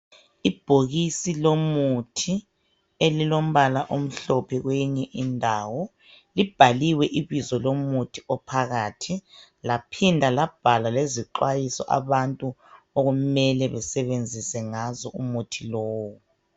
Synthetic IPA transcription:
ib̥ʱoɣisilomutʰi | elilom̩βalaʔom̩ɬɔpʰɛɣweɲɛʔindʱawɔ | lib̥ʱaliwɛʔiβizɔlomutʰiɔpʰaɣaːtʰilapʰindʱalab̥ʱalaleziǃwajisɔ̰ʔa̰βantʼu | oɣumɛlɛβɛsɛβend͡zʱisɛŋazɔʔumutʰilɔːwɔ

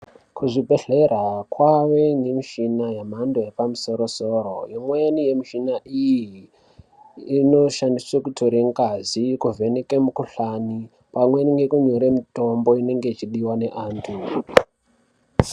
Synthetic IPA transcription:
kuʐibʱe̞ɬe̞rakwaʋe̞ŋɡemiʃinajamandojepamuso̞ɾo̞so̞ːɾo̰jomwenije̞miʃinaʔijii | no̞ʃandiswekutʰoɾeŋɡazikuvʱe̞nekemukuɬani | pamweniŋɡe̞kuɲoɾemito̞mbo̞ine̞ŋɡe̞it͡ʃiɗiwane̞ʔaːntʰu

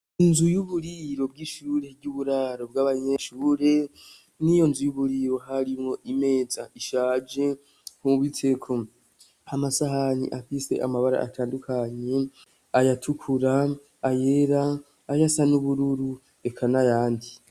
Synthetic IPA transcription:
inzujuβuɾiɾo̞bɡiːʃuːɾe̞ɟuβuɾaːɾo̞b̚ɡaːβaɲe̞ʃuːɾe | nijo̞nzujuβuɾiɾo̞ɦaɾimŋo̞ʔime̞ːzaʔiʃaːd͡ʒe̞ | huβwitʰe̞kʰo | amasaɦanḭʔafise̞̰ʔamaβaɾa̰ʔa̰tʰaːndukʰaɲe̞ | ajatʰukʰuɾaː | jeɾaː | jasanuβuɾuɾu | e̞kʰanajaːndi

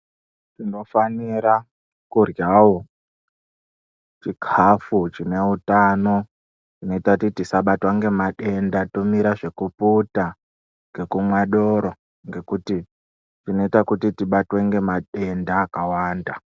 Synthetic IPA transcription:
tino̞faniɾa | kurjawo | t͡ʃikʰafut͡ʃine̞utano̞ | tino̞itakutitisaɓatwaŋɡe̞maɗe̞ndato̞miɾaʐe̞kuputa | ŋɡe̞kumwaɗo̞ɾo | ŋɡe̞kuti | tino̞itakutitiɓatwe̞ŋɡe̞maɗe̞ndaːkawaːnda

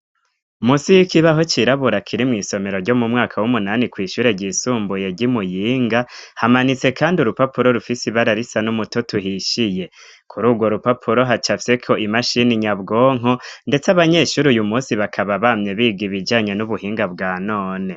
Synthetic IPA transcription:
umusijikiβaɦo̞t͡ʃiɾaβuɾakʰiɾimŋiːso̞me̞ɾo̞ɾɟo̞mumŋaːkʰawumunaːnikwiːʃuːɾe̞ɟisuːmbuje̞ɟimujiːŋɡahamanit͡se̞kaːndiuɾupapuɾo̞ɾufisiβaɾaɾisanumutotuɦiʃije̞ | kʰuɾuːɡwo̞ɾupapʰuɾo̞ɦat͡ʃafse̞kʰo̞ʔimaʃiniɲabɡoːŋɦonde̞t͡saβaɲe̞ʃuːɾujumuːsiβakʰaβaβamɲe̞βiːɡiβid͡ʒaːɲe̞nuβuhiːŋɡabɡaːno̞ːne̞

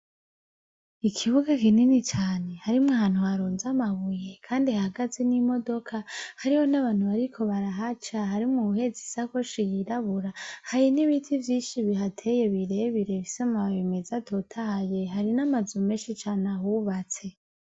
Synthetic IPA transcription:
ikʰiβuɡakininit͡ʃaːne̞haɾimŋaɦaːn̥huhaɾoːnzamaβuje̞kʰaːndihaɡazinimo̞do̞kʰahaɾiho̞naβaːn̥huβaɾikʰo̞βaɾaɦat͡ʃaɦaɾimŋuhe̞zisakoʃijiɾaβuɾahajiniβitʰivjiːnʃiβiɦatʰe̞je̞βiɾe̞βiɾe̞βisamaβaβimizatʰotʰahaje̞ɦaɾinamazumeːnʃit͡ʃaːneahuβat͡se̞

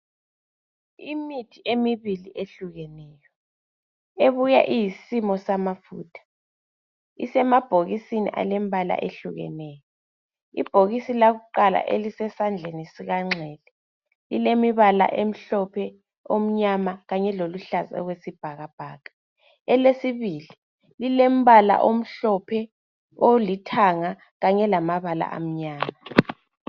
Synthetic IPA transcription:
imitʰiʔemiβiliʔeɬuɣɛnɛːjɔ | eβuja̰ʔijisimɔsamafuːtʰḁ | ḭsɛmab̥ʱoɣisinḭʔa̰lembʱala̰ʔḛɬuɣɛ̰nɛjɔ | ḭb̥ʱoɣisilaɣuǃala̰ʔelisɛsand͡ɮʱenisiɣaŋ͡ǁʱɛːlɛ | lilemiβala̰ʔem̩ɬɔpʰɛ | om̩ɲamaɣaɲɛloluɬazɔ̰ɣwesib̥ʱaɣab̥ʱaːkḁ | ɛlesiβili | lilem̩βala̰ʔom̩ɬɔpʰɛ | olitʰaŋa | ɣaɲɛlamaβala̰ʔa̰m̩ɲaːma

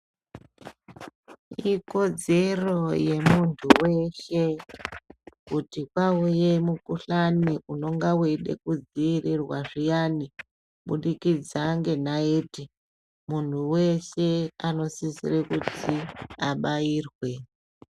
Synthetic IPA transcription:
iko̞d͡ze̞ro̞je̞muntʰuwe̞ʃe̞ | kutikwauje̞mukuɬaniʔuno̞ŋɡaweɗe̞̰kud͡ziːrirwaʐijani | ɓuɗikid͡zaŋɡe̞naeti | muntʰuwe̞ʃe̞ano̞sizḭrekutiaɓaiːrwe̞

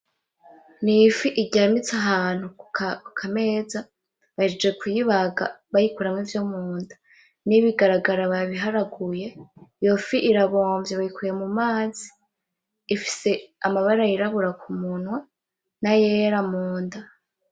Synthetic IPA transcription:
nifiʔiɟamit͡saɦaːn̥hukukʰame̞ːza | βahid͡ʒed͡ʒɡekujiβaɡa̰βajikuɾamŋivjomuːndḁ | niβiɡaɾaɡaɾaβaβiɦaɾaɡuje̞jo̞fiʔiɾaβo̞ːɱvjeβajikʰuje̞mumaːzi̥ː | fi̥se̞amaβaɾajiɾaβuɾakumunwa | najeɾamuːnda

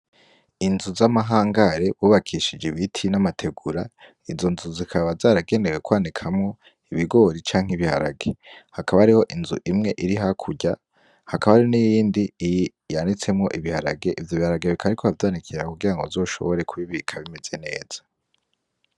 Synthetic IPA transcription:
inzuzamaɦaːŋɡaɾe̞βuːβakʰiʃid͡ʒeβitʰinamatʰe̞ɡuɾa | izo̞nzuzikʰaβazaːɾaɡe̞ːndeɾwekwaːnikʰamŋo̞ | iβiɡo̞ɾit͡ʃaːŋ̥iβiha̰ɾa̰ɡehakaβaɾiho̞ʔinzṵʔimŋe̞ʔiɾiɦakʰuɟa | hakaβaɾionijjiːndij | janit͡se̞mŋo̞ʔiβihaɾa̰ɡe̞ʔivjoβihaɾaɡeβikʰaɾikʰoavdaːnikʰiɾakuɡiɾaŋɡozo̞ːʃo̞̰βo̞ɾe̞kʰuβiβikʰaβimez̥e̞ne̞ːz̥ḁ

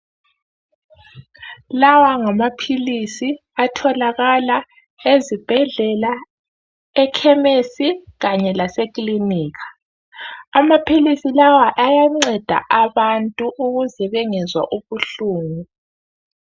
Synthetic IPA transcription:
lawaŋamapʰilisi | atʰɔlaɣala | ezib̥ʱɛɮɛla | ɛkʰɛmesiɣaɲɛlasekʼliniːɣʰḁ | amapʰilisilawaʔajaŋ͡ǀɛd̥ʱa̰ʔaβantʼuʔuɣuzɛβɛŋɛzwa̰ʔuβuɬuːŋu

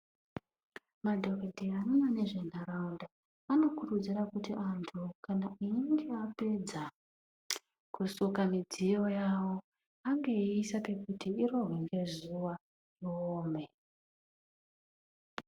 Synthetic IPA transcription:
madʱo̞kedʱianonane̞ʐe̞n̤araunda | ano̞kurud͡zirakutiʔantʰukanaiiŋɡe̞ape̞d͡za | kusukamid͡zijo̞jawo̞ | aŋɡeiisape̞kutiiɾo̞ɦwiŋɡe̞zuʋa | joːme

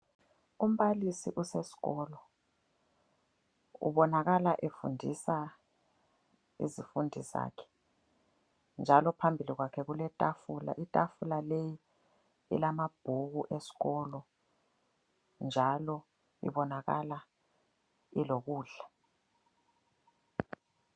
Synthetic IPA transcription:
um̩ɓalisiʔusesi̥ɣɔːlɔ | ṵβɔnaɣalaʔefṵndʱisa | ḭzifundʱiza̰ːkʰɛ̥ | nd͡ʒʱalɔpʰambʱiliɣwakʰɛɣulɛtʼafula̰ʔitʼafulaleji | ḭlamab̥ʱuk̬uʔesi̥ɣɔlɔ | nd͡ʒʱalɔ | ḭɓɔnaka̰la | ilok̬uːɮa

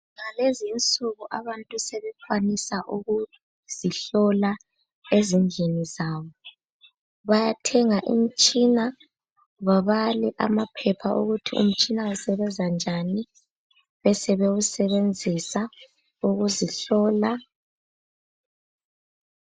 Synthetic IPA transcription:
ŋalezint͡sʼuɣuʔaβantʼusɛβɛfwanisaʔuɣu | z̥iɬɔla | ezind͡ɮʱenizaːβɔ | βajatʰɛŋaʔḭm̩t͡ʃʼina | βaβaliʔa̰mapʰɛpʰaʔuɣutʰiṵm̩t͡ʃʼinausɛβɛzand͡ʒʱani | βɛsɛβeɣusɛβend͡zʱisa | uɣuziɬɔːla

